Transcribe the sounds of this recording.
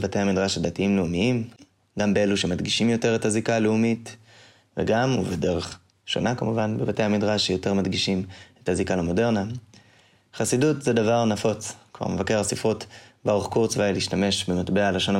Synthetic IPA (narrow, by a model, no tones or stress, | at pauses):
vate̞jhamidʁaʃadatiimleumiim | ɡambeeluʃe̞madɡiʃimjo̞teʁe̞thazikaleumit | vḛɡamuvede̞ʁe̞χ | ʃo̞̰nakamuvanbevate̞jhamidʁaʃjo̞te̞ʁmadɡiʃimethazikalamo̞de̞ʁna | χasidutzedavaʁnafo̞t͡skva̰ʁmevake̞ʁasifotbaʁuχkuʁt͡svajliːʃtame̞ʃbematbealaʃo̞n